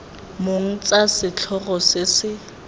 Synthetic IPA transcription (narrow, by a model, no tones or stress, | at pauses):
moŋ̩t͡sʼasɪt͡ɬʰɔrɔsɪsɪ